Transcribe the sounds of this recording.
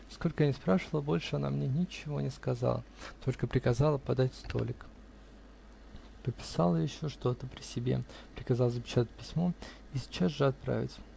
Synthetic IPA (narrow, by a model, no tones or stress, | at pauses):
sko̞lʲkəjanʲɪspɾaʂɨvəlˠəbo̞lʲʂɨɐna̰mnʲenʲɪt͡ɕɪvo̞nʲɪskɐza̰lˠə̰t̪ʰo̞lʲkəpɾʲɪkɐzalˠəpɐd̪atʲst̪o̞̰lʲɪk | pəpʲɪ̥salˠəjɪɕːo̞ʂt̪o̞t̪əpɾʲɪsʲɪbʲe̞̰pɾʲɪkɐzɑlˠzəpʲɪ̥t͡ɕat̪ət̚ʲpʲɪsʲmo̞ | isʲɪ̥t͡ɕasʐɨɐt̪̚pɾa̰vʲɪ̰tʲ